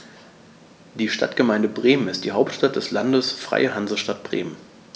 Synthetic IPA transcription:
d̥iːʃta̰tɡ̥əmaɪndəbʁeːmənɪstd̥iːɦaʊp̚tʃtat̚d̥ɛslandəsfʁ̥a̰ɪəhanzəʃtat̚b̥ʁḛːmən

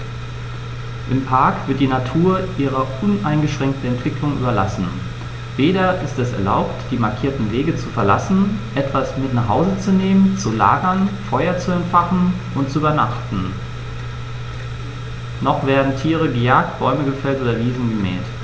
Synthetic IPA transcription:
ʔɪmpʰaɐkv̥ɪɐtd̥iːnatʰuːɐʔiːʁɐʔʊnʔaɪnɡəʃʁ̥ɛŋk̚tn̩ɛntv̥ɪklʊŋʔy̰ːbɐla̰sn̩ | veːɾɐʔɪstɛsɛ̰ɐla̰ʊptd̥iːmaɐkʰiːɐtn̩veːɡət͡sufɛɐla̰sn̩ʔɛtv̥asmɪtnaχhaʊzət͡suneːmənt͡sula̰ːɡɐnfɔʏɐt͡suɛntfaχn̩ | ʔʊntt͡suyːbɐna̰χtn̩ | nɔχv̥eːɐdn̩tʰiːʁ̞əɡəjaːk̚t̚b̥ɔʏməɡəfɛltʔoːdɐviːzn̩ɡəmɛ̰ːt

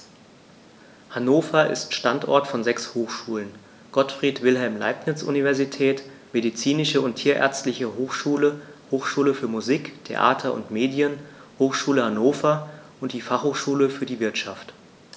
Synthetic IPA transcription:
hanoːfɐʔɪ̰stʃtantʔɔ̰ɐtfɔnzɛkshoːxʃuːlən | ɡ̥ɔtfʁ̥iːtv̥ɪlɦɛlmla̰ɪpnɪt͡sʔṵnivɛɐzitʰɛːt | medit͡siːnɪʃəʊntʰːiːɐʔɛ̰ɐt͡stlɪçəhoːxʃuːləhoːxʃuːləfyːɐmuziːktʰḛʔa̰ːtʰɐʔʊ̰ntmeːdjənhoːxʃuːləhanoːfɐʔʊntd̥iːfaχhoːxʃuːləfyːɐdiːvɪɐtʃaft

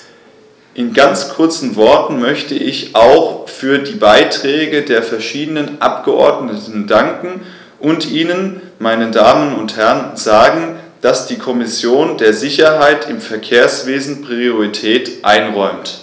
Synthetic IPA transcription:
ʔɪnɡant͡skʰʊɐt͡sn̩vɔɐtn̩mœçtəʔɪçʔaʊxfyːɐdiːbaɪtʁ̥ɛːɡədeːɐfɛɐʃiːdənənʔa̰pɡ̥əʔɔ̰ɐdnətn̩daŋkŋ̩ | ʔʊntʔiːnən | maɪnədaːmənʊnthɛʁnzaːɡŋ̩ | d̥asd̥iːkʰɔmɪsjoːndeːɐzɪçɐɦaɪtʰɪmfɛɐkʰeːɐsv̥eːzn̩pʁ̥ioʁitʰɛːtʔa̰ɪnʁɔʏmt

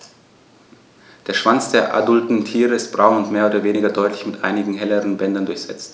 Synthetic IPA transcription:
d̥eːɐʃv̥ant͡sd̥eːɐʔa̰dʊltn̩tʰiːʁəɪstb̥ʁaʊnʊntmeːɐoːdɐveːnɪɡɐdɔʏtlɪçmɪtʔa̰ɪnɪɡŋ̩ɦɛləʁənbɛndɐndʊɐçz̥ɛt͡st

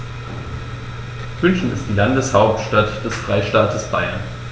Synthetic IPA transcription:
mʏnçn̩ɪ̰st̚d̥iːlandəshaʊp̚tʃtatd̥ɛsfʁ̥aɪʃtaːtʰəsb̥a̰ɪɐn

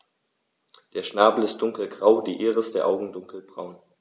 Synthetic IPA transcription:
d̥eːɐʃnaːbl̩ɪst̚d̥ʊŋkl̩ɡʁaʊdiːʔeːʁəsd̥eːɐʔaʊɡŋ̩dʊŋkl̩bʁaʊn

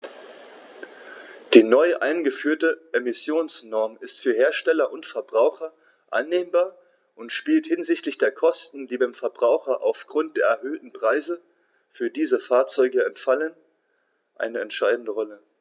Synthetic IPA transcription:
d̥iːnɔʏʔa̰ɪnɡəfyːɐtəʔemɪsjoːnsnɔɐmɪstfyːɐɦeːɐʃtɛlɐʔʊntfɛɐbʁaʊxɐ | ʔa̰nːeːmbaːɐ | ʔʊntʃpiːlthɪnzɪçtlɪçd̥eːɐkʰɔstn̩diːbaɪmfɛɐbʁaʊxɐʔa̰ʊfɡ̥ʁʊnt̚d̥eːɐɛɐɦøːtn̩pʁ̥aɪzə | fyːɐdiːzəfaːɐt͡sɔʏɡəɛntfalən | ʔa̰ɪnəɛntʃaɪdn̩dəʁɔlə

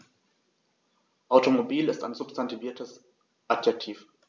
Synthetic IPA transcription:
ʔaʊtomobiːlɪstaɪnzʊpstantʰiviːɐtʰəs | ʔadjɛk̚tʰiːf

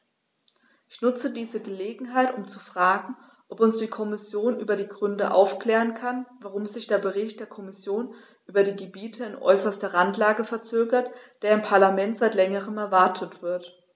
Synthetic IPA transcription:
ʔɪçnʊt͡sədiːzəɡəleːɡŋ̩ɦaɪtʊmt͡sufʁ̥aːɡŋ̩ | ʔɔpʊnsd̥iːkʰɔmɪsjoːnʔyːbɐdiːɡʁʏndəʔa̰ʊfkl̥ɛːʁənkʰanvaʁʊmzɪçd̥eːɐbəʁɪçt̚d̥eːɐkʰɔmɪsjoːn | ʔyːbɐdiːɡəbiːtʰəɪnʔɔ̰ʏsɐstɐʁantlaːɡəfɛɐt͡søːɡɐtd̥eːɐɪmpʰaɐlamɛntz̥aɪtlɛŋəʁ̞əmɛɐvaɐtʰətv̥ɪɐt

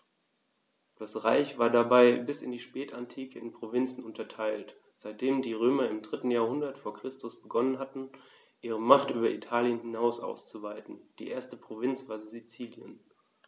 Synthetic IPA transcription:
d̥asʁaɪçv̥aːɐdabaɪbɪsɪndiːʃpɛːtʰantʰiːkʰəɪnpʁ̥ovɪnt͡sn̩ʊntɐtʰaɪlt | z̥aɪt̚d̥eːmdiːʁ̞øːmɐɪmdʁɪtn̩jaːɐhʊndɐtfoːɐkʁ̥ɪstʊsb̥əɡɔnənɦatn̩ | ʔiːʁ̞əmaχtʔyːbɐitʰaːljənhɪnaʊsʔa̰ʊst͡suvaɪtn̩d̥iːʔeːɐstəpʁ̥ovɪnt͡sv̥aːɐzit͡siːljə̰n

